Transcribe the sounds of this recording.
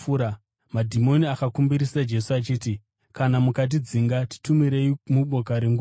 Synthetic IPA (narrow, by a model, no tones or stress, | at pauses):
uɾa | madʱimo̞niakakumbiɾisad͡ʒe̞suat͡ʃiːt̬i | kanamukat̬id͡ziŋɡati̥tumiɾe̞imuɓo̞kaɾeŋɡu